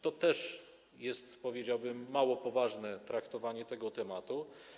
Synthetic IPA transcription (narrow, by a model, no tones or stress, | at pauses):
t̪ɔt̪ɛʂ | jɛst̪pɔvʲjed͡ʑawbɘmːawɔpɔvaʐnɛt̪ɾakt̪ɔvaɲɛt̪ɛɡɔt̪ɛmat̪u